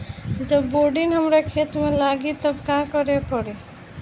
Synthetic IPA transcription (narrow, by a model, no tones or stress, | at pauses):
d͡ʒəbːoɖinɦəmɾekʰet̪mẽlaɡit̪ɔbkakɔɾepɔɽe